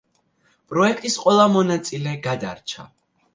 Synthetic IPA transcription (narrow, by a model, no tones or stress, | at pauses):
pʼɾɔɛkʰt̪ʼisqʼwɛlˠamɔnat̪sʼilɛɡad̪aɾt͡ʃʰa̰